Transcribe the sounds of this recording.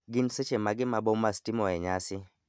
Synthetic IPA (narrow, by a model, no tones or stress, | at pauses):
ɡinset͡ʃemaɡɪmabɔmastimɔɛɲasɪ